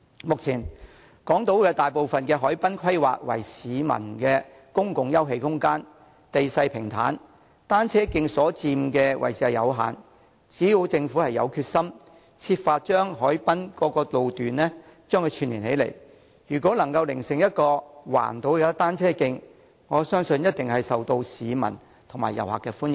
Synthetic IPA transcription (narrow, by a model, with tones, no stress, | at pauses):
mʊ˨k̚t͡sʰiː˨˩n | kɔː˨˥ŋt̪o˨˥wkɛː˧t̪aː˨jpo˨wfɐ˨nkɛː˧ɦɔː˨˥jpɐ˥nkʰɐ˥jwa̰ː˨k̚wɐ̰˨˩jsiː˨˧˦mɐ̰˨˩nkɛː˧ | kʊ˥ŋkʊ˨ŋjɐ˥wɦe˧jhʊ˥ŋkaː˥n | t̪e˨jsɐ˧jpʰɪ˨˩ŋt̪ʰa̰ː˨˥n | t̪aː˥nt͡sʰɛː˥kɪ˧ŋsɔː˨˥t͡siː˧mkɛː˧wʔɐ̰˨˩jsʰiː˨˩ɐ˨jɐ̰˨˧wɦa̰ː˨n | t͡siː˨˥ji˧wt͡sɪ˧ŋfuː˨˥hɐ˨jːɐ̰˨˧wkʰyː˧t̚sɐ˥m | t͡sʰiː˧pfaː˧t̚t͡ʃœː˥ŋɦɔː˨˥jpɐ˥nkɔː˧kɔː˧lo˨wt̪yː˨nlɛ˥t͡ʃœː˥ŋkʰɵ˧t͡ʃʰyː˨˩nliː˨˩nhe˨˥jlḛ˨˩j | jyː˨˩kʷɔː˨˥lɐ˨˩ŋkɐ˧wlɪ˨˩ŋsɪ˨ŋjɐ˥t̚kɔː˧wa̰ː˨˩nt̪o˨˧wkɛ˧t̪aː˥nt͡sʰɛː˥kɪ˧ŋ | ŋɔː˨˧sœː˥ŋsɵ˧njɐ˥t̚t̪ɪ˨ŋhɐ˨jsɐ˨wt̪o˧wsiː˨˧mɐ̰˨˩n | t̪ʰʊ˨˩maː˨jɐ̰˨˩wɦa̰ː˨kːɛː˧fuː˥njɪ˨˩